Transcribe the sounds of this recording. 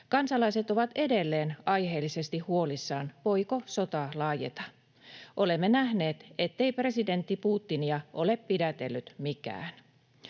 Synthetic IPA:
kɑnsɑlɑjse̞t̪o̞ʋɑt̪e̞de̞lːe̞ːnɑjɦe̞ːlːise̞st̪ihuo̞lisːɑːnʋo̞jko̞so̞t̪ɑlɑːjḛt̪ɑ | ʔo̞le̞mːenæhne̞ːt̪e̞t̪ːe̞ipre̞side̞nt̪ːipuːt̪ːiniɑʔo̞leppidæt̪e̞lːyt̪mikæ̰ːn

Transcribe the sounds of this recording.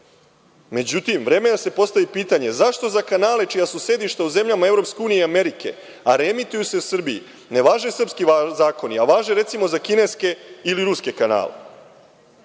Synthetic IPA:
me̞d͡ʑut̪imʋɾe̞ːme̞d̪ase̞po̞st̪aʋipiːt̪aɲe̞zaʃt̪o̞zakanaːle̞t͡ʃijasuse̞d̪iʃt̪auze̞mʎamae̞vɾo̞pskeuːnijeame̞ɾike̞̰ | aɾe̞mit̪ujuse̞usr̩biḭ | ne̞ʋaːʒe̞sr̩pskiazaːko̞niaʋaːʒe̞ɾe̞t̪simo̞zakine̞ske̞iliɾuske̞kana̰ːle̞̰

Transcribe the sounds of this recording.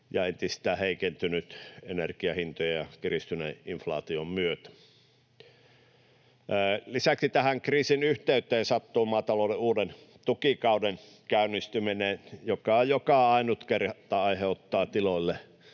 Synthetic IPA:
jɑent̪ist̪æːheikent̪ynyt̪enerkiɑhint̪ojɑjɑkirist̪ynḛʔinflɑ̰ːt̪iommyøt̪æ̥ | lisæksit̪æhæŋkriːsinyht̪eyt̪ˑeːnsɑt̪ːuːmɑːt̪ɑloːleuːden | t̪ukikɑuden | kæynːˑist̪yminenjokɑjokɑɑˑinut̪kerɑt̪ːɑːɑiheot̪ːɑːt̪iloilːe

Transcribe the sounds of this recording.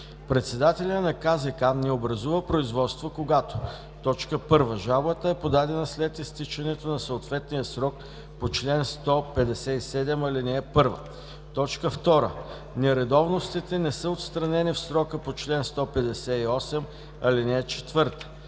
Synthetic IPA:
pɾɛt̪sɛd̪at̪ɛlʲənɐkazɛkannɛobɾɐzuvəpɾoizvɔt̪st̪vokoɡat̪o̥ | t̪ɔt͡ʃkəpɤɾvəʒabət̪əɛpod̪ad̪ɛnəslɛt̪ist̪it͡ʃɐnɛt̪onɐsəot̪vɛt̪nijəsɾɔk̚ | pot͡ʃlɛnst̪ɔpɛd̪ɛsɛisɛd̪ɛmɐlinɛːpɤɾvə̰ | t̪ɔt͡ʃkəft̪ɔɾə̰ | nɛɾɛd̪ɔvnost̪it̪ɛnɛsəot̪st̪ɾɐnɛnifsɾɔkəpot͡ʃlɛnst̪ɔpɛd̪ɛsɛiɔsɛm | ɐlinɛt͡ʃɛ̥t̪vɤɾt̪ə̥

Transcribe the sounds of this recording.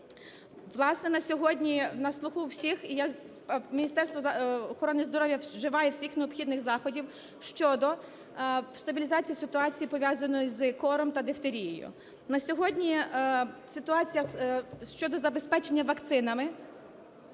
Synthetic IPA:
ʋlˠɑsnɛnɐsʲɔɦɔdʲnʲinɐslˠʊxuwsʲixija | mʲinʲist̪ɛrst̪ʋɔɔxɔɾɔnɪzd̪ɔɾɔwʲjɐʒɪʋɑjɛwsʲixneɔpxʲid̪nɪxzɑxɔdʲiw | ʃt͡ʃɔd̪ɔ | wst̪ɐbʲilʲizɑt͡sʲijisɪt̪ʊɑt͡sʲijipɔʋʲjazɐnɔjʊzɨkɔɾɔmt̪ɐd̪ewt̪eɾʲijɔjʊ̰ | nɐsʲɔɦɔdʲnʲi | sɪt̪ʊɑt͡sʲijɐʃt͡ʃɔd̪ɔzɐbe̞spɛt͡ʃe̞nʲːɐʋɐkt̪sɪnɐmɪ

